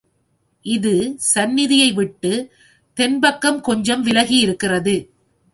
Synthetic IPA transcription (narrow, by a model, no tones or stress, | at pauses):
ʔɪðɯsɐnːɪðɪjɐɪʋɪʈːɯ | t̪ɛnbɐkːɐmkɔɲd͡ʒɐmʋɪlɐɣiɪɾɯkːɪrɐðɯ